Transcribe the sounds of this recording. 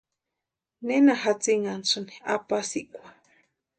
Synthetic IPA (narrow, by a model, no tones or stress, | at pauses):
nenahat͡siŋansɨni̥a̰pasikʷḁ